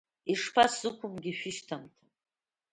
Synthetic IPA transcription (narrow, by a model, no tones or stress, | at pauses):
iʂpʰasz̥ɨkʷʰʊmɡʲiʃᶣɪʃtʰamtʰa